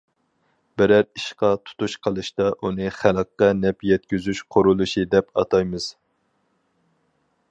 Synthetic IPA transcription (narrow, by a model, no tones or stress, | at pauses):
bɪɾæɾiʃqɑt̪ʰu̥t̪ʰuʃqʰəlˠɨʃt̪ɑʔunɨχælˠqːɑnɛpjɛt̪̚kʲyzyʃqʰʊɾulˠuʃid̪ɛpɑ̰t̪ʰɑjmɨz̥